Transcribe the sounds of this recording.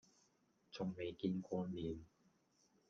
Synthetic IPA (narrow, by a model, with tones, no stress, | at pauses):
t͡sʰʊ˨ŋme˨˧jkiː˧nkʷɔː˧miː˨˧n